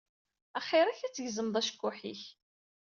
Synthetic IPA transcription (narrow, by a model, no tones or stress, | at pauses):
æχɪɾˤæçæt͡sːʝzəmðˤæʃkːʊħḭç